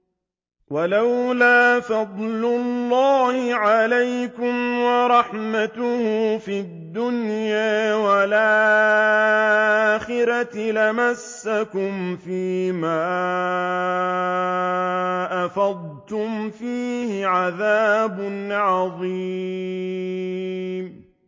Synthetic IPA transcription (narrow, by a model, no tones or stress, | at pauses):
walawlaːfɑd̪ˤlʊlːɑːhɪʕalajkʊmwɑɾˤɑħmat̪ʊhʊfɪd̪ːʊnjaːwalʔaː | aːxɪɾat̪lɪmasːakʊmfiːmaː | ʔafɑd̪̚ˤ | t̪ʊmfiːhɪʕaðaːbʊnʕɑðˤi | m